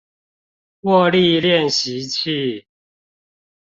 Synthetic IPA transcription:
kwɔ˥˧li˥˨ljɛ˥˨nɕi˨˦t͡ɕʰi˥˨

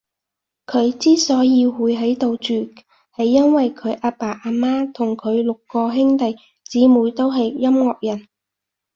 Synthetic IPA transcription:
kʰɵ˨˧ɥt͡siː˥sɔː˨˥jiː˧wuː˨˧jɦɐ˨˥jt̪o˨wt͡ʃyː˨˩ | hɐ˨jːɐ˥nwɐ˨jkʰɵ˨˧ɥʔaː˧paː˨˩ʔaː˧˥maː˥t̪ʰʊ˨˩ŋkʰɵ˨˧ɥlʊ˨kːɔː˧ɦɪ˥ŋt̪ɐ˨j | t͡siː˨˥muː˨˧jt̪o˥wɦɐ˨jːɐ˥mŋɔː˨k̚jɐ˨˩n

